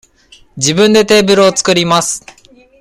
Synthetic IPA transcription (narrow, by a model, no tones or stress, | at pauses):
d͡ʑibɯ̃nd̪e̞t̪e̞ːbɯ̟ɾɯot͡sɨ̥kɯ̟ɾʲimasɨ̥